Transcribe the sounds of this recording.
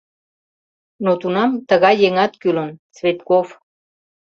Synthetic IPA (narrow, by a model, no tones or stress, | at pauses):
not̪unɑmt̪əɣɑjːeŋɑt̪kylənt͡svet̪kof